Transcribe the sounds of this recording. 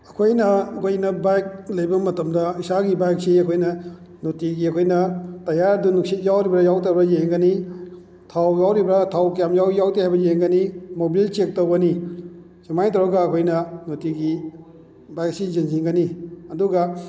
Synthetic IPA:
ɐkʰojnɐɐkʰojnɐbajk̚lɐjbɐmɐtɐmdɐisaɡibajk̚siɐkʰojnɐ | notiɡiɐkʰojnɐtɐjaɾdunuk̚sit̚jawɾibɾɐjawtabɾɐjeŋɡɐni | tʰawjawɾibɾɐtʰawkjamjawjawtehajbɐjeŋɡɐnimobilt͡ʃek̚towɡɐni | semajtɔɾɐɡɐːkʰojnɐnotiɡi | bajk̚sizinziŋɡɐniɐduɡɐ

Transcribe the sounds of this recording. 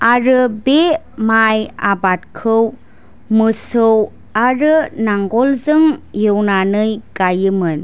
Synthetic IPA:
aɾɯbe | maja̰bat̚kʰɯw | mɯsɯw | aɾɯnaŋɡɔlzɯŋjɯwnanɯjɡajɯmɯn

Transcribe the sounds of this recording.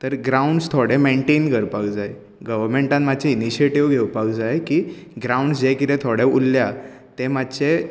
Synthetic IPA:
t̪əɾɡɾauɳɖst̪ʰoɽemeɳʈenkəɾpakd͡zae | ɡəʋəɾmeɳʈãnmad̪t͡ɕeiniɕieʈiʋɡʱewpak̚d͡zaekiːɡɾauɳɖsd͡ʑekit̪ɛ̃t̪ʰoɽeulːja | t̪emad̪t͡ɕe

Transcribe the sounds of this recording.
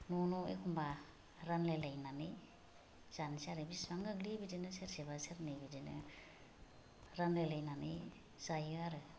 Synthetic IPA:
nunɔḛkʰumba | ɾanlelajnani | z̥ansaɾɯbiswaŋɯɡlibidinɯseɾsiβaseɾnɯbidinɯ̰ | ɾanlelajnani | z̥ajɯaɾɯ

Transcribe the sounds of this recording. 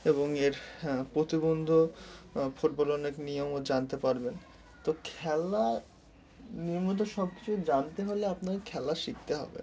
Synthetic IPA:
eboŋeɾpɾot̪ibond̪ʱo | foʈ̚bolɔneknijomod͡ʑant̪epaɾben | t̪okʰɛla | niɾmut̪̬oʃɔb̚ki̥t͡ɕʰud͡ʑant̪eɦoleapnaɾkʰɛlaʃik̚t̪eɦɔ̰bḛ

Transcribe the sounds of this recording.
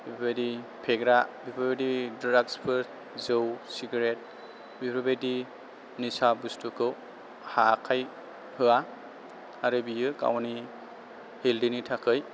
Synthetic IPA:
bipʰbadi | pʰeɡɾabipʰabedidɾaɡspʰɯɾ | zɯwsiɡaɾet̚ | bipʰɾabadi | nisabustukʰɯw | hakʰaj | hɯaː | ɾɯbijɯka̰wni | hildinitʰakʰɯj

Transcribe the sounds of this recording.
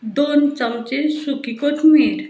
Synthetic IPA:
d̪ont͡ʃɐmt͡ʃesukikoʈʰmeɾ

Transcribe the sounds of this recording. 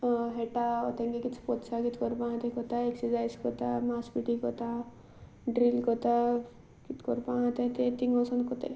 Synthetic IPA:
ɦeʈaot̪eŋɡekitt͡ʃʰpɔt̪sakit̪kɔɾpãɦt̪ekɔt̪aeksizajskɔt̪a̰maːspiʈikɔt̪a | ɖɾilkot̪a | kit̪kɔɾpãt̪et̪et̪iŋɡosɐnkot̪ḛ

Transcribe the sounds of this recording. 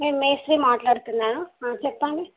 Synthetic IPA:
meːmːeːsʈɾiːmaːʈlaːɽt̪unːaːnuaːt͡ʃɛpːɐɳɖi

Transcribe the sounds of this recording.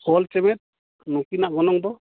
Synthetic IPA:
hɔlt͡ʃɛmɛt̪̚ | nukinaʔɡɔnɔŋd̪ɔ

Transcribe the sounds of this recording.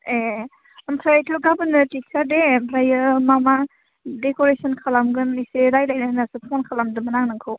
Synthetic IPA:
e | ɐmpʰɾaajtʰɔɾɡabɯnɯtik̚sadeɾajɯmama | dekoɾesɔnkʰalamɡɯmniseɾajlajnanasɯpʰɔnkʰalamdɯmɐnaŋnɯŋkʰɯw

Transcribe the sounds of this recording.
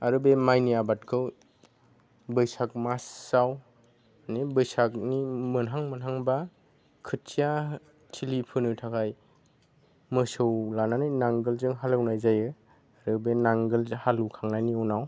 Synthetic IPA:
aɾɯbemajnijabat̚kʰɯw | bɯjsak̚masːaw | nibɯjsak̚nimɯnɦaŋmɯnɦaŋba | kʰɯtsija | tʰilipʰɯnɯtʰakʰaj | mɯsɯwlananɯjnaŋɡɯlzɯŋɦalɯwnajzajɯ | aɾɯbenaŋɡɯlhalukʰaŋnajniɔnaw

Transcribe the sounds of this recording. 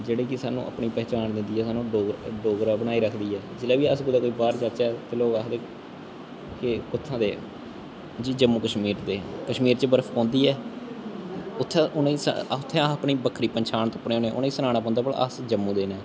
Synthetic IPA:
d͡ʒeːɽeːkɪsaːnːṵ̃ːʔə̰pɳiːpɛːt͡ʃaːnd̪ɪ̃nd̪iːɛːsaːnːũːɖoːɡɖoːɡɾaːbəɽaːiːɾəkʰd̪iːɛːd͡ʒɪlaːbiːəsɡʊd̪aːkoːiːbaːɾt͡ʃət͡ʃɛːt̪eːloːkaːkd̪eː | kekʊt̪ʰːãːd̪eː | d͡ʒiːd͡ʒəmːuːkəʃmiːɾd̪eːkəʃmiːɾt͡ʃebəɾəfʰpɔ̃ːnd̪iːɛː | ʊt̪ʰːɛ̃ːʔʊneisʊt̪ʰːɛ̃ːəpɳiːbəkʰːɾiːpəɲt͡ʃʰaːnt̪õːpːneːoːnẽːʔʊ̰nːiːsənaːɽ̃aːp̬ɔ̃ːnd̪aːbəɽə̰sd͡ʒəmːũːd̪eːnɛ̃ː

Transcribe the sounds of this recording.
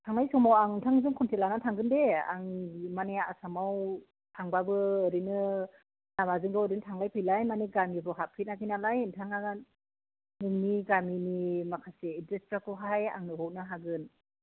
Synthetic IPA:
tʰaŋlajsɔmawaŋntʰaŋzɯŋkʰɔntʰelanatʰaŋɡɯndea̰ŋmaneaasamaw | tʰaŋbabɯːɾinɯ | namazɯŋɡɯwɯɾintʰaŋlajpʰɯjlajmaniɡamibɯɦapʰit̚nakinalajntʰaŋaɡan | nɯŋniɡaminimakʰaseːdɾestɾakɯɦaja̰ŋnɯɦɔk̚nɯɦaɡɯn

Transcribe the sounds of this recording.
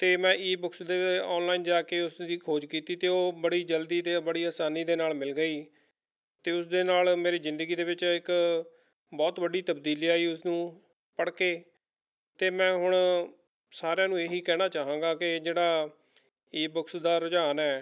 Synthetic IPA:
t̪eːmɛ̃ːiːbʊksd̪eːɔːnlaːiːnd͡ʒaːkeːʊsd̪iːkʰoːd͡ʒkiːt̪iːt̪eːoːbəɽiːd͡ʒəld̪iːt̪eːbəɽiːaːsaːniːd̪eːnaːlmɪlɡəiː | t̪eːʊsd̪eːnaːlmeːɾiːzɪ̃nd̪əɡiːd̪eːʋɪt͡ʃɪk | bɔːt̪ʋəɖiːt̪əbd̪iːliːaːiːʊsnũː | pəɽkeː | t̪eːmɛ̃ːɦʊɽ̃ | saːɾeãːnũːeːɦiːkɛːɽ̃aːt͡ʃaːɦãːɡaːkɪd͡ʒeːɽaː | iːbʊksd̪aːɾʊd͡ʒaːnɛː

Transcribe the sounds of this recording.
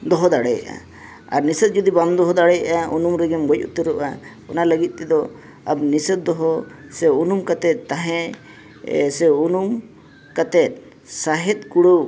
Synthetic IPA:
d̪ɔɦɔd̪aɽɛj̰ʔa̰ | a̰ɾnisət̪̚d͡ʒɔd̪iband̪ɔɦɔd̪aɽɛjaʔaṵnumɾɛɡɛmɡɔc̚ṵt̪əɾɔʔa | ɔnaləɡit̪̚t̪ɛd̪ɔ | ab̚nisət̪̚d̪ɔɦɔsɛunumkat̪ɛt̪̚t̪aɦɛ̃ | sɛunum | kat̪ɛt̪̚ˀ | saɦɛt̪̚kuɽow

